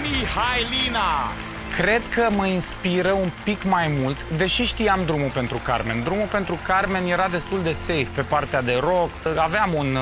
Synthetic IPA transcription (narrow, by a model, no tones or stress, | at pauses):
nihajlina | kɾe̞d̪kəməinspiɾəunpikmajmult̪d̪e̞ʃiʃt̪ijamd̪ɾumupe̞nt̪ɾuka̰rme̞̰nd̪ɾumupe̞nt̪ɾukarme̞nje̞ɾad̪e̞st̪uld̪e̞se̞jfpe̞part̪ead̪e̞ɾo̞kaveamun